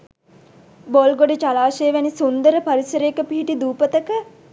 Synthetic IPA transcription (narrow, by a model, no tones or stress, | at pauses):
bolɡoɖet͡ʃalaːʃejʋænisund̪əɾəpaɾisəɾeekəpiɦiʈid̪uːpət̪əkə